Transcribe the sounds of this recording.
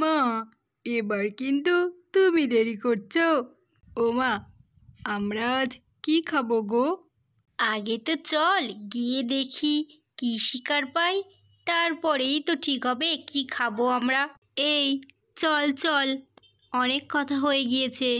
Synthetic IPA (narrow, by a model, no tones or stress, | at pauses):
ma | ebaɾkint̪ut̪umid̪eɾikoɾt͡ɕʰo | oma | amɾad͡ʑ | kikʰaboɡo | aɡet̪ot͡ɕɔlɡied̪ekʰi | kiʃikaɾpaj | t̪aɾpɔɾejt̪oʈʰikɦɔbekikʰaboamɾa | ej | t͡ɕɔlt͡ɕɔl | ɔnekːɔt̪ʰaɦojeɡijet͡ɕʰe